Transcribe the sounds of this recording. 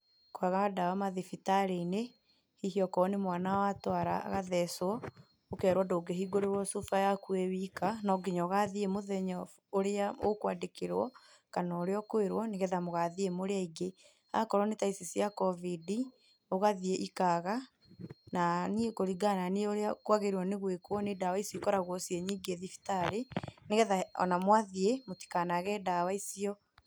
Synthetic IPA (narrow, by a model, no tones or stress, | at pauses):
kwaɣaɣadawamaðifitaɾene | hihiɔkɔnemwanawatwaɾa̰ːɣaðɛswɔ | okɛːɾwɔdoːɡeɦiɡoɾeɾwɔsufajakuewikanɔɡeɲɔɣaðiemoðɛɲɔ | oɾeao̰kwadekeɾwɔ | kanaoɾeɔkweɾwɔneɣɛðamoɣaðiemoɾeaiɡe | a̰kɔɾɔnetaisisijakɔvidi | oɣaðieʔikaɣa | nanikoɾiɡananeoɾeakwaɣeɾwɔneɣwekoɔnedawaisjikɔɾaɣwɔsiɛɲiːɡeðifi̥taɾeneɣɛðaɔ̰namwaðiemoti̥kanaɣɛdawaisiɔ